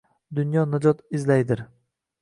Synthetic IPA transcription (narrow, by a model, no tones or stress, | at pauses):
d̪ʊnjɒnad͡ʒɒt̪ɪzlajd̪ɪɾ